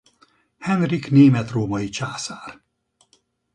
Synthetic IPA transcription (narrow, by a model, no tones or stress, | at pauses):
hɛnrikneːmɛt̪roːmɒjit͡ʃaːsaːr